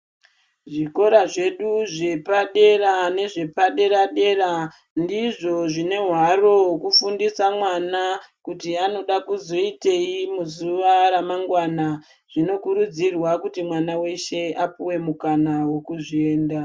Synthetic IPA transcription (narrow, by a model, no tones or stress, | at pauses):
ʐiko̞ɾaʐe̞ɗuʐe̞paɗe̞rane̞ʐe̞paɗe̞ɾaɗe̞ra | ndiʐo̞ʐine̞ɦwaro̞kufundisamwanakutiano̞ɗakuzo̞ite̞imuzuʋaɾamaŋɡwana | ʐ̥ino̞kuɾud͡zirwakutimwanawe̞ʃe̞apuwe̞mukanawekuʐie̞ːnda